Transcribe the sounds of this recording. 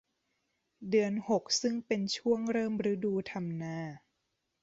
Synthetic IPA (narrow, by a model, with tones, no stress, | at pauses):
dɯ˧ənho˨˩k̚sɯ˥˩ŋpe˧nt͡ɕʰu˥˩əŋɾɤː˥˩mɾɯː˦˥duː˧t̪ʰa˧mnaː˧˩